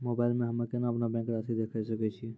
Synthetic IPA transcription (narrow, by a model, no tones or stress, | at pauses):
moːbaːɪlmẽɦɐmakenaɐpnabɛ̃ːŋkɾaːsid̪eːkʰesɐkɛt͡ʃʰi